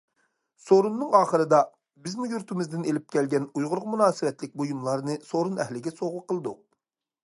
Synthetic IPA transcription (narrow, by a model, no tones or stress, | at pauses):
soɾunːɨŋɑːχəɾɨd̪ɑ | bɪzmujyɾt̪ʰɪmɪzd̪ɪnelɪp̚kʲʰɛlɡʲɛnujʁʊɾʁmunɑːsɨwɛt̪lɪk̚ʲbojumlˠɑɾnɨsoɾunɛɦlɪɡʲɛsoʁʊqʰəlˠɨd̪ʊq̚